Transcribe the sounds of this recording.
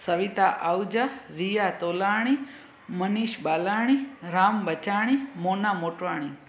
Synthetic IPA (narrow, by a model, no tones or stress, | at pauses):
səʋit̪aʔawd͡ʒaɾijat̪olaɽ̃i | məniʃbalaɽ̃iɾambət͡ʃaɽ̃imonamoʈʋaɽ̃i